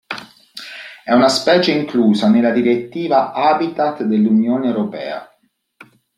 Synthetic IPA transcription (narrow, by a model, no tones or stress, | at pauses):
ɛunaspɛːt͡ʃeiŋkluːzanelːad̪iɾet̪ːiːvaʔabit̪at̪d̪elːunjoːneewɾopɛ̰ːa̰